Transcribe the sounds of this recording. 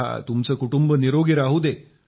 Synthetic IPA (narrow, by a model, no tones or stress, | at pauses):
a̰t̪umt͡səːkuʈumbəniɾoɡiɾaɦud̪e